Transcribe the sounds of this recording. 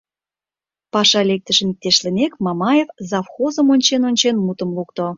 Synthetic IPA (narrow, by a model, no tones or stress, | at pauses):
pɑʃɑlek̚t̪ə̆ʃə̆nik̚t̪eʃlənekmɑmɑjefzɑfxozəmonʲt͡ɕenonʲt͡ɕenmut̪əmlukt̪o